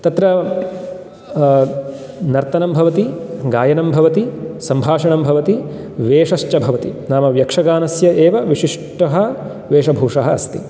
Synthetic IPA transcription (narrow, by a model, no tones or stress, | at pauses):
t̪ɐt̪ɾɐ | nɐɾt̪ɐnɐmbʱɐʋɐt̪iɡaːjɐnɐmbʱɐʋɐt̪isɐmbʱaːʂɐɳɐmbʱɐʋɐt̪i | ʋeːʂɐʃt͡ʃɐbʱɐʋɐt̪inaːmɐʋjɐkʂɐɡaːnɐsjɐʔeːʋɐʋiʂiʂʈɐɦɐ̆ | ʋeːʂɐbʱuːʂɐɦɐɐst̪i